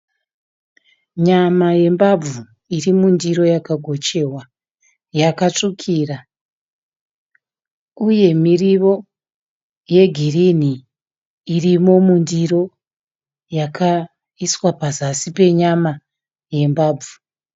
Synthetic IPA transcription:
ɲamaje̞mbau | irimundiɾo̞jakaɡʱo̞t͡ʃe̞wa | jakat͡ʂukʰiːra | uje̞miriʋo̞ | je̞ɡʱiriniː | rimo̞mundiɾo̞ | jakʰa | iswapazasipe̞ɲama | je̞mbaːb͡vu

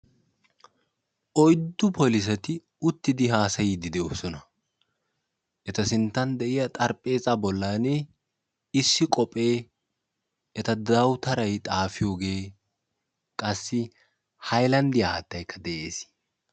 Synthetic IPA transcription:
ʔɔjd̪ːʊpʰɔlɪs̬ɛt̪ɪ | ʊt̪ːɪd̪ɪɦaːsɐjid̪ɪd̪ɛoːsɔnɐ | ʔɛt̪ɐsɪnt̪ːɐnd̪ɛʔɪjɐt̪ʼɐɾpʼːe̞ːzabɔlːanɛ | ɪsːɪkʼɔpʼe̞ː | ʔɛt̪ɐd̪ɐwt̪ɐɾɐjt̪ʼaːfɪjoːɡe̞ː | kʼɐsːɪ | hɐjlɐnd̪ɪjɐaːt̪ːɐjkːɐd̪ɛʔe̞ːs

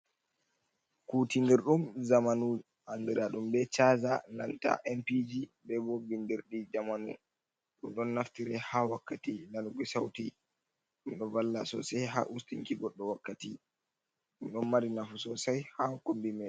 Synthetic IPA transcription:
kutindiɾɗumzamanu | andiɾaɗumbɛt͡ʃaːzana̰nta̰ʔɛmpid͡ʒibɛbɔbindiɾɗid͡ʒamanṵ | ɗumɗɔnːaftiɾɛhawakːatinanuɡisawti | ɗumɗɔvalːasɔ̰sajɦa̰ʔustiŋkiɡɔɗːɔwakːati | ɗumɗɔnmaɾinafusɔsajhakombimɛ

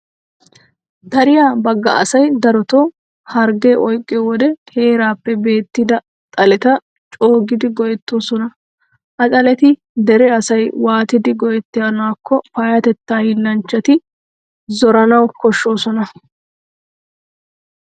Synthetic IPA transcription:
d̪̥ɐɾɪjaːbɐɡːɐ̰ʔɐ̰sɐjd̪ɐɾɔt̪o | hɐɾɡeːʔɔjkʼːɛːwɔd̪ɛhe̞ːɾaːpːɛbe̞ːt̪ːɪd̪ɐ | t̪ʼɐlɛt̪ɐ | t͡ʃʼo̞ːɡɪd̪ɪɡɔjɛt̪ːo̞ːsɔnɐ | ʔɐtʼɐlɛt̪ɪ | d̪ɛɾɛɐsɐjwaːt̪ɪd̪ɪɡɔjɛt̪ːɪjɐnaːkːɔfɐjɐt̪ɛt̪ːaːhɪnːɐnt͡ʃːɐt̪ɪ | zɔɾɐnɐwkɔʃːo̞ːsɔnɐ

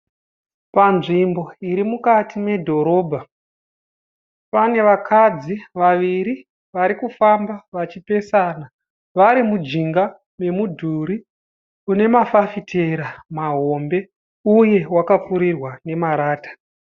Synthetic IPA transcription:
panʐimbo̞iɾimukatʰime̞dʱo̞ɾo̞ːbʱa | pane̞ʋakʰad͡ziʋaʋiɾi | ʋaɾikufambaʋat͡ʃipe̞saːna | ʋaɾimud͡ʒiŋɡa | me̞mudʱuɾi | une̞mafafitʰe̞ɾamaɦo̞mbe̞ | uje̞wakapuɾirwane̞maɾaːtḁ

